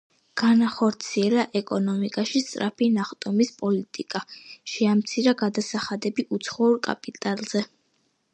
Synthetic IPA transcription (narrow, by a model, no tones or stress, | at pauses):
ɡ̥anaχɔɾt̪sʰiɛlaʔɛkʼɔnɔmikʼaʃist̪sʼɾapʰinaχt̪ʼɔmispʼɔlit̪ʼikʼaʃiamt̪sʰiɾaɡad̪asaχad̪ɛbiʔut̪sʰχɔuɾkʼa̰pʼit̪ʼalˠz̥ɛ